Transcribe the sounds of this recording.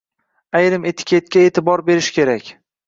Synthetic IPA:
ajɾɪme̞t̪ʰɪ̥kʲʰet̪̚kʲae̞t̪ʰɪbɒɾbe̞ɾɪʃkʲʰe̞ɾakʲ

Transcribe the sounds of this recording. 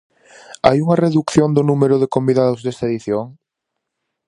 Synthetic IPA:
a̰juŋɐreðukθjond̪ʊnumeɾʊðekombiðaðʊzðest̪aeðiθjoŋ

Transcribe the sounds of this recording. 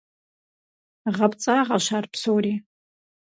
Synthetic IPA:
ʁapʰʼt͡sʼaʁaʃʷarpʰsowri

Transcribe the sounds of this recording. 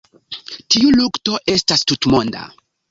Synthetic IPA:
tiulukto̞ʔe̞stastutmonda̰

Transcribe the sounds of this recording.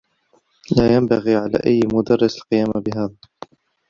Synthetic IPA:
laːjambaɣiːʕala̰ːʔajːmʊd̪ɑrˤːɪsalqɨjaːmabɪɦaːðaː

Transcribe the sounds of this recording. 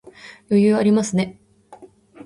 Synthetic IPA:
jo̞jɯ̟ːaɾʲimasɨne̞

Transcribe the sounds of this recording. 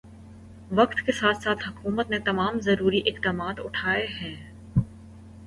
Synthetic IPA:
ʋɐqt̪kesaːt̪ʰsaːt̪ʰɦɐkuːmət̪net̪ɐmaːmzɐɾuːɾiʔɪxd̪aːmaːt̪ʊʈʰaːeɦɛ̃ː

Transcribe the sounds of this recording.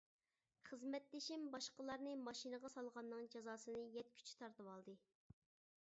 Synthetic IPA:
χəzmɛt̪lɪʃimbɑʃqəlˠɑɾnɨmɑʃinɨʁɑsɑlˠʁɑnːɨŋd͡ʒɑzɑːsɨnɨjɛt̪̚kʲʰy̥t͡ʃʰi̥t̪ʰɑɾt̪ɨwɑlˠd̪ɨ

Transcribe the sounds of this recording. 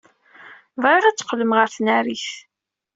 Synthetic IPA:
vʁeɾat͡sːqːləmʁəɾθnæɾiθ

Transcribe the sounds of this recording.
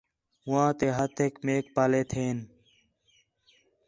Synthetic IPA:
ʊãːt̪eːɦət̪ʰeːkmeːk̚paːleːt̪ʰeːn

